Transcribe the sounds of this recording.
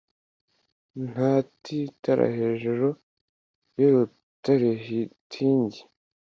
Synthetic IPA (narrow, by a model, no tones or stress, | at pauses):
n̥hatʰitaɾa̰he̞ːʒuɾo | joɾu | taɾeɦitʰiːɲɟi